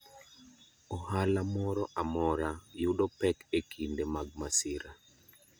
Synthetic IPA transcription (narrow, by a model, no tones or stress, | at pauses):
ɔhalamɔɾɔʔamɔɾajuɗɔpɛkekʰindemaɡ̚masiɾa